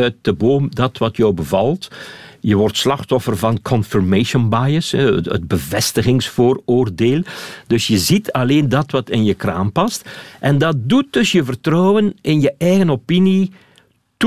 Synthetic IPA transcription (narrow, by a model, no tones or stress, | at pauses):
ət̚d̥əboːmdɑtʋɑtjɔwbəvɑlˠtjəʋɔrtslɑxtɔfərvɑnkʰɔnfiɹmeʃənbajəsɛ̰ə̰d̚bəvɛstəɣɪŋsfoːroːrdeːlˠd̥ɵsjəzitʰɑleːndɑtʋɑtɪnjəkra̰ːmpɑstʔɛndɑt̚dut̚dɵsjəvərtrɔːwwənʔɪnjəʔɛjɣənopini | t